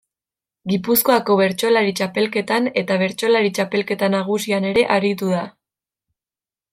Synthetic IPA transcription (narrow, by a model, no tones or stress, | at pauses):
ɡipusko̞ako̞βe̞ɾt͡ʃo̞laɾit͡ʃape̞lke̞t̪ane̞t̪aβ̞e̞ɾt͡ʃo̞laɾit͡ʃape̞lke̞t̪anaɣ̞usiane̞ɾe̞ʔaɾit̪̬uð̞a